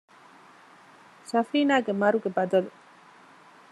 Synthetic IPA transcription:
safinaɡemaɾuɡebad̪ol

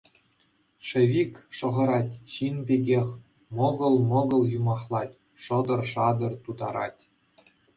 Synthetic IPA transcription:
ʂɘ̆ʋʲikʲʂɤ̆ʁɤ̆ɾɑtʲɕinbʲeɡʲexʲ | mɤɡɤ̆lˠmɤ̆ɡɤ̆lˠjumɑχlˠɑtʲ | ʂɤ̆d̪ɤ̆rʂɑd̪ɤ̆rt̪ud̪ɑɾɑ̰tʲ

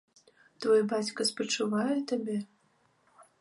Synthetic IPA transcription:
t̪vɔjɛbat͡sʲkɐspɐt͡ʂɨvajɛt̪abʲɛ

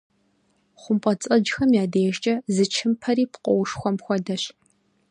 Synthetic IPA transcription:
χʷʊmpʼɐt͡sʼɐd͡ʒxɐmjaːdejɛʒt͡ʃʼɐzɨt͡ʃʰɪmpʰɐɾiːpqʷʼɔwʂxʷɔmxʷɔdɐɕ

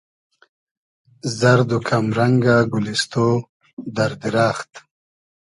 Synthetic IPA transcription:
zaɾd̪ukʰamɾaŋɡaɡulist̪o | d̪aɾd̪iɾaːxt̪

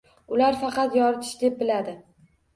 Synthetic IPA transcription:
ʊlaɾfɑqɑt̪jɒɾɪt̪ʰɪ̥ʃd̪e̞p̚bɪlad̪ɪ

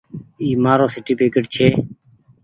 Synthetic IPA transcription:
iːmaːɾõːsɪʈiːpeːkəʈt͡ʃʰeː

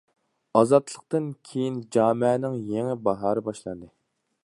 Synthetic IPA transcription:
ɑzɑt̪ʰlˠəq̚t̪ɨnkʲʰejind͡ʒɑːmɪɛnɪŋjeŋɪbɑɦɑːɾɨbɑʃlˠɑnd̪ɨ

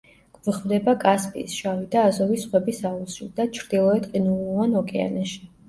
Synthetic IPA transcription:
ɡ̥ʼviχvd̪ɛbakʼaspʼḭːsʃavid̪aːzɔvisχwɛbisausild̪at͡ʃʰɾd̪̥ilˠɔɛt̪ʼqʼinulˠvanɔkʼɛa̰nɛʃi̥

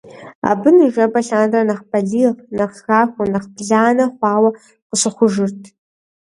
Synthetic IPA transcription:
a̰bɨnɨʒɐbɐɬaːnrɐnɐχpʰɐɮiːʁnɐχxaːxʷʊnɐχbɮaːnɐχʷɑːwɐ | qəɕɨχʷʊʒɨrtʰ

